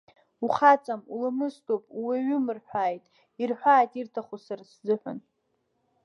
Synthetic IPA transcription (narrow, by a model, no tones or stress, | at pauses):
uχat͡sʼamulamɨstʰʼopʼweɥʏmɨrħᶣʷaːjtʼ | irħʷaːjtʼirtʰaχusarszɨħʷᶣʊ̰n